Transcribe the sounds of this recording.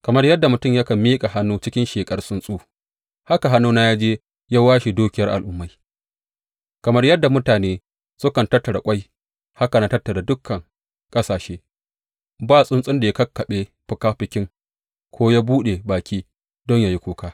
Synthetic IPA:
kɐ˨mɐ˦rjɐ˦dːa˨mʊ˨tʊ˦mjɐ˦kɐ˨miː˦kʼa˨ɦa˦nːuː˦t͡ʃɪ˦kʲɪ˦nʃeː˨kʼɐ˦rsʼʊ˦nsʼuː˦ | ha˦ka˨ɦa˦nːuː˦na˦jaː˦d͡ʒeː˦ | jaː˦waː˦ʃi˨duː˦kʲɪ˨jɐ˦rʔa˨lʔʊ˦mːa˨j | kɐ˨mɐ˦rjɐ˦dːa˨mʊ˦taː˨neː˦ | sʊ˦kɐ˨ntɐ˦rtːɐ˨ɽa̰˨kʷʼa˦j | ha˦ka˨na˦tɐ˦rtːɐ˨ɽa˨dʊ˦kʰːɐ˨ŋ | kʼɐ˦saː˨ʃeː˦ | baː˦sʼʊ˦nsʼɪ˦nda˨ja˦kɐ˦kːɐ˨ɓeː˦ | ɸʊ˨kaː˦ɸɪ˨kʲɪ˦ŋ | kʷʰoː˦jaː˦buː˦ɗe˨baː˨kʲʰiː˦ | dɔ˦ɲja˦˨ji˦kʷoː˦kaː˦

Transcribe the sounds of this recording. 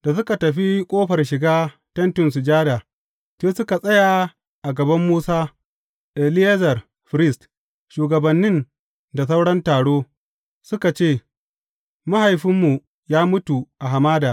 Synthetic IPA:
d̥a˨s̬ʊ˦ka˨tɐ˨ɸi˦kʷʼoː˦ɸɐ˨rʃɪ˨ɡaː˦ | tɐ˦ntʊ˨ns̬ʊ˨d͡ʒaː˦daː˨ | t͡ʃeː˦sʊ˦ka˨sʼɐ˦ja˨ | ʔa˨ɡɐ˨bɐ˦mːuː˦saː˦ | ʔɛ˨lɪ˦e˦zɐ˨r | ɸɾɪ˦˨st | ʃuː˨ɡɐ˨bɐ˨nːɪ˦n | da˨s̬a˦wɽɐ˦ntaː˨ɽoː˦ | sʊ˦ka˨t͡ʃeː˦˨ | ma˦ha˨jɸɪ˦mːu˨ | jaː˦mʊ˦tu˨ʔa˨ɦa˨maː˦daː˨

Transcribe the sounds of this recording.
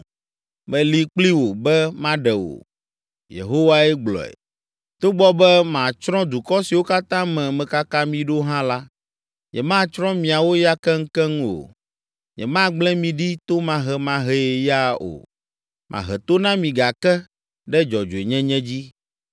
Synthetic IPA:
mɛ̃˨li˨k͡pli˦wo˨bɛ˦mã˦ɖɛ˨wo̰˨ | jḛ˨ɦo˦wa˦ɛ˦ɡ͡blɔ̰˨ɛ̰˨ | t̪o˦ɡ͡bɔ˦bɛ˦mã˨t͡ʃɾɔ̃˦d̪u˨kɔ˦si˨wo˦ka˦t̪ã˦mɛ̃˨mɛ̃˨ka˦ka˦mĩ˨ɖo˦ɦã˦la˦ | ɲɛ̰˨mã˦˨t͡ʃɾɔ̃˦mĩ˨a˨wo˦ja˦kɛ˦ŋ̩˦kɛ˦ŋũ˦o̰˨ | ɲɛ̰˨mã˦ɡ͡blɛ̃˦mĩ˨ɖi˦t̪o˦mã˨ɦɛ˦mã˦ɦɛ˦e˨ja˦o̰˨ | mʔã̰˨ɦɛ˨t̪o˦nã˦mĩ˨ɡa˨kɛ˦ | ɖɛ˦d͡ʒɔ˨d͡ʒo˨e˨ɲɛ̃˦ɲɛ̃˦d͡ʑi˦

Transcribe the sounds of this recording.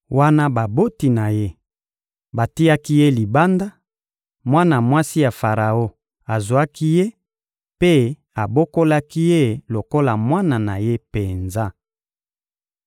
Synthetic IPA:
wa˦na˦ba˨bo˦ti˨na˨je˦ | ba˨ti˦ja˦ki˦je˦li˨ba˦nda˦ | mwa˦na˨mwa˦si˦ja˨fa˨ʁa˨o˦ | a˨zu˨a˦ki˦je˦ | pe˦ | a˨bo˦ko˦la˦ki˦je˦lo˨ko˦la˨mwa˦na˨na˨je˦pe˨nza˦

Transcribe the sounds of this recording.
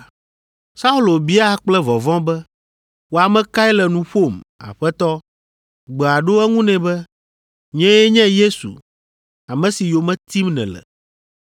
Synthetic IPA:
sa˦u˦lo˨bi˦a˦k͡plɛ˦vɔ˨vɔ̃˦bɛ˦ | wo˦a˨mɛ̃˦ka˦ɛ˦lɛ˨nũ˨ɸo˦˨ma̰˨ɸɛ˦t̪ɔ˦ | ɡ͡bɛ˨a˨ɖo˦ɛ˦ŋũ˦nɛ̃˨bɛ˦ | ɲɛ̃˦jɛ˦ɲɛ̃˦je˦sṵ˨ | a˨mɛ̃˦si˨jo˨mɛ̃˦t̪i˦mnɛ̰̃˨lɛ̰˨

